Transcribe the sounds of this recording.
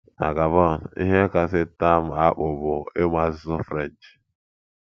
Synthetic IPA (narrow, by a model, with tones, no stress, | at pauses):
na̰˨ɡa˨vɔ˦˨n˨ḭ˦ɦe˦ka˨s̬ɪ˦ta˦˨m̩˨a˦k͡pʊ˨bʊ˨e˦mʷa˨˦zɪ˦zʊ˦fɾɛ˦˨nd͡ʒ